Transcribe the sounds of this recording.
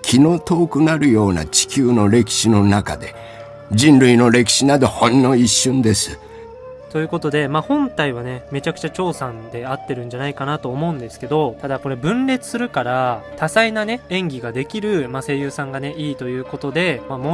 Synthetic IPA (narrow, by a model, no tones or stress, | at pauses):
kʲʰino̞ːt̪o̞ːkɯ̟naɾɯ̟jo̞ːna̰t͡ɕi̥kʲɨːno̞ɾe̞kʲi̥ɕino̞naka̰d̪e̞ | d͡ʑĩnɾɯ̟ino̞ɾe̞k̬ʲi̥ɕinad̪o̞hõ̞nːo̞iɕːɨ̃nd̪e̞sɨ | t̪o̞jɯ̟ːko̞t̪o̞d̪e̞maːhõ̞nt̪aiβ̞ane̞me̞t͡ɕakɯ̟̥t͡ɕat͡ɕo̞ːsãnd̪e̞at̪ːe̞ɾɯ̟̃ɲ̟d͡ʑanaikanat̪o̞ːmo̞ɯ̟̃nd̪e̞sɨ̥ke̞d̪o̞t̪ad̪ako̞ɾe̞bɯ̟̃nɾe̞t͡sɨ̥sɨɾɯ̟kaɾat̪asainane̞ẽ̞ŋɡʲiɡad̪e̞kʲiɾɯ̟mase̞ːjɯːsãŋɡane̞iːt̪o̞jɯ̟ːko̞t̪o̞d̪e̞mamo